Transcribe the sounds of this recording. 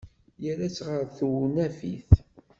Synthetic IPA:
jəɾæt͡sːʁəɾθunæfiθ

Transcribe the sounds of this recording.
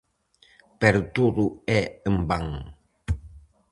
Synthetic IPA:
pɛɾt̪uɾuɛəmbaŋ

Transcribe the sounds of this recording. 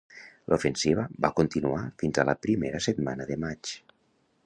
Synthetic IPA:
lʔofənsiβ̞əβakont̪inuafinzaləpɾimeɾəset̪manəðəmat͡ʃ

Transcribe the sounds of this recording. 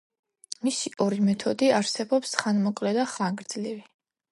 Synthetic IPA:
misiʔɔɾimɛt̪ʰɔd̪iaɾsɛbɔpsχanmɔkʼlɛd̪aχaŋɡɾd̪z̥livi

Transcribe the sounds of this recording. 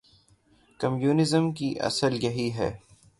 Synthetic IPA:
kɐmjuːnɪzəmkiʔɐ̰səljɐɦiɦɛ̰ː

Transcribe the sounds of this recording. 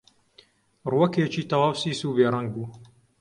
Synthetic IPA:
ruwɐket͡ʃiːt̪ɐwaːwsiːsuːbeːɾˤaŋɡ̚buː

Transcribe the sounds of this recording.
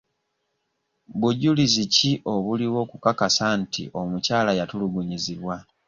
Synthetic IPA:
buɟuliziciʔo̞βuliwo̞ːkukakasantʰḭʔo̞mucaːlajatuluɡuɲiziβwa

